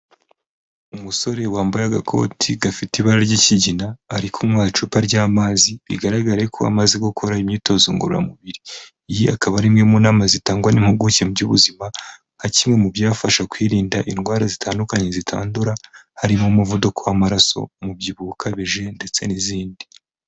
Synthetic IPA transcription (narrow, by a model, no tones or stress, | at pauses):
umuso̞ɾe̞waːmbajaɡakʰo̞̰ːtʰiɡafitiβaɾaɾɟiciɟinaːɾikʰumwaːt͡ʃupaɾɟaːmaziβiɡaɾaɡaɾekʰoa̰maziɡokʰoɾaimɲiːto̞zoŋɡo̰ɾoɾa̰muβiɾiː | jiakaβaɾimŋe̞muːnaːmazitaːŋɡwanim̥huɡucemuɟuβuzima | hacimŋe̞mubjaːfaʃakwiːɾiːndaʔinɡwaːɾazitʰaːndukaɲe̞zitʰa̰ːnduɾahaɾimomuvudokowamaɾaso̞̰mubjiβukʰaβiʒe̞nde̞t͡se̞̰niziːndi